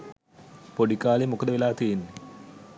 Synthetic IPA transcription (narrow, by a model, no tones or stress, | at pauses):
poɖikaːlimukɐd̪əʋilaːt̪ijenːe